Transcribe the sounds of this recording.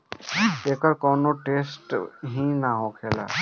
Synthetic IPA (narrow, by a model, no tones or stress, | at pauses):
eːkəɾkoːnoʈeːsʈɦinaɦõːkʰeːla̰ː